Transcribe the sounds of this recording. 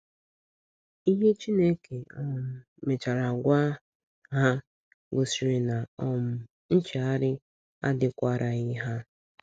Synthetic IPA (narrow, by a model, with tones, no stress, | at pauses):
i˦ɦe˦t͡ʃi˦ne˦ke˨ɔ˨m̩˨ | me˨t͡ʃa˨ɾa˨ɡʷa˦ | ɦa˦ | ɡo˨si˨ɾi˨na˨ɔ˨m̩˨ | n̩˦t͡ʃe˨a˦ɾɪ˦ | a̰˦dɪ˨kʷa˦ɾʔa˨i˦ɦa˦